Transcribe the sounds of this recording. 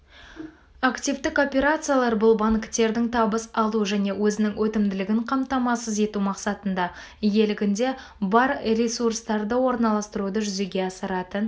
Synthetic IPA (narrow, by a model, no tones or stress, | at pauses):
akt̪ivd̪ɪko̞pʲe̞ɾat̪sɨjalˠɑɾbʊlˠbɑŋkʲɪ̥t̪ːe̞ɾd̪ɪŋt̪ʰɑbəsɑlˠuʒæne̞wɵzɪnɪŋwɵt̪ɪmd̪ɪlɪɡʲɪŋqʰɑmt̪ɑmɑsəze̞t̪umɑqsɑt̪ənd̪ɑ | je̞lɪɡʲɪnd̪e̞ | bɑɾɾʲesurst̪ɑɾd̪əwo̞ɾnɑlˠɑst̪əɾud̪əʒʏze̞ɡʲe̞ɑsəɾɑt̪ən